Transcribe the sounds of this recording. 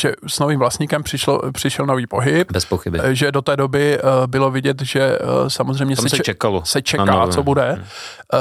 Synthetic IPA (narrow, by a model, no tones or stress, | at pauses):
ʒ̥ɛsnoviːmvlast̪ɲikɛmpr̥ɪʃo̰pr̥ɪʃɛlno̞viːpo̞ɦɪp̚bɛspoxɪbɪʒɛdot̪ɛːdobɪbɪlo̞vɪɟɛt̪ʒɛsamozr̝ɛjmɲɛssɛst͡ʃɛkalosɛt͡ʃɛkaːt͡sobudɛ